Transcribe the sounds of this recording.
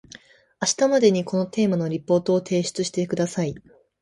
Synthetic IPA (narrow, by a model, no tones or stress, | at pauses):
aɕi̥t̪amad̪e̞ɲ̟iko̞no̞t̪e̞ːmano̞ɾʲipːo̞ːt̪o̞ːt̪ʰe̞ːɕi̥t͡sɨɕi̥t̪ekɯ̟d̪asai